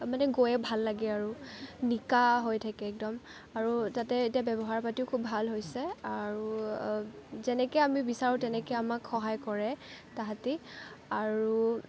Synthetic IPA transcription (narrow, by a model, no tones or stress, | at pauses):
manɛɡojɛbʱalːaɡɛaɹunikaɦojtʰakɛːk̚dɔm | aɹutatɛetijabɛbɔɦaɹpatiʊkʰubʱalɦojsɛaɹu | zɛnɛkɛamibisaɹũtɛnɛkɛamakxɔɦajkɔɹɛtaɦatiaɹu